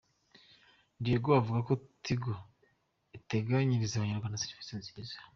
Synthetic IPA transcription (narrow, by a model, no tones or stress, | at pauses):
ndieɡoavuɡakotʰiɡo | ite̞ɡaɲiɾizaβaɲaɾɡwaːndasiɾifi̥sinziɾizḁ